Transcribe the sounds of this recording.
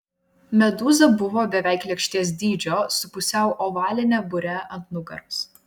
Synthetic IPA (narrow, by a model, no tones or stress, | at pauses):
mʲɛd̪uːzɐbʊʋoːbʲɛʋʲæˑɪklʲiɛkʃʲt̪ʲiɛs̬d̪ʲiːd͡ʒʲoːsʊpʊsʲɛˑʊʔɔːʋɑːlʲɪnʲɛbʊɾʲɛʔɐnt̪nʊɡɐ̰ɾʊs